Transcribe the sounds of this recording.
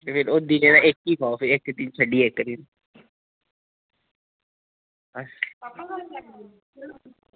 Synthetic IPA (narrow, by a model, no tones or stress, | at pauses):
epʰɪɾod̪inẽd̪aʔekːikɔːfiekːd̪int͡ʃʰəɖiːeːkːəɾiːn | bɐs